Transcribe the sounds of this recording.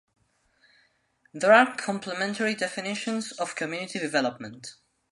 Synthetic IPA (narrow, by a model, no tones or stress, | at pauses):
ðəɹakʰɔ̃mpʰləmɛ̃ntʰəɹidɛfɪnɪʃə̃nzɔv̥kʰɔmjʉnɪtʰidɪvɛləp̚mə̃nt